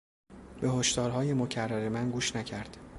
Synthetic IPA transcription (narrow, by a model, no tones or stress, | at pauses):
be̞ɦoʃt̪ɒːɾɦɒːje̞mocʰærːæɾe̞mænɡuːʃnæcʰæɾd̪̥